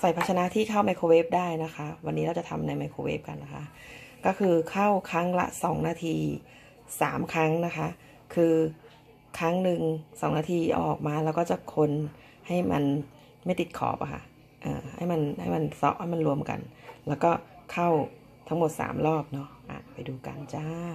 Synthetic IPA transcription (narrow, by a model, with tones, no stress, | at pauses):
sa˨˩jpʰa˦˥a˧na˦˥t̪ʰiː˥˩kʰa˥˩wma˧jkʰoː˧weː˦˥p̚daː˥˩jna˦˥kʰa˦˥ʔwa˧nːi˦˥ɾa˧˩t͡ɕa˨˩t̪ʰa˧mna˧jma˧jkʰoː˧wḛ˦˥p̚ka˧nːa˦˥kʰa˦˥ʔ | kɔː˥˩kʰɯː˧kʰa˥˩wkʰɾa˦˥ŋla̰˦˥ʔsɔː˩˦ŋnaː˧t̪ʰiː˧ | saː˩˦mkʰɾa˦˥ŋna˦˥kʰa˦˥ʔ | kʰɯː˧ | kʰa˦˥ŋnɯ˨ŋsɔː˩˦ŋnaː˧t̪ʰiː˧ʔɔ̰ː˨˩k̚maː˧lɛː˦˥wkɔː˥˩t͡ɕa˨˩kʰo˧n | ha˥˩jma̰˧n | ma˥˩jt̪i˨˩t̪̚kʰɔ̰ː˩˦p̚a˧kʰa̰˧˥˩ʔ | ʔɤ̰ː˨˩ha̰˥˩jma˧nha˥˩jma˧nsɔ̰˦˥p̚ha˥˩jma˧nɾu˧əmka̰˧nlɛː˦˥wkɔː˥˩kʰa˥˩w | t̪ʰa˦ŋmo˨˩t̪̚sa̰ː˩˦mlɔː˥˩p̚nɔ˦˥ʔa̰ː˨˩t̪̚pa˧jduː˧ka˧nt͡ɕa˥˩